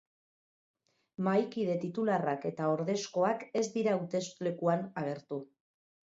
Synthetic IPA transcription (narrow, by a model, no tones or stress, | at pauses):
majkið̞e̞t̪it̪ularake̞t̪ao̞ɾðe̞sko̞ake̞zd̪iɾauwt̪e̞sle̞kuanaɣ̞e̞ɾt̪u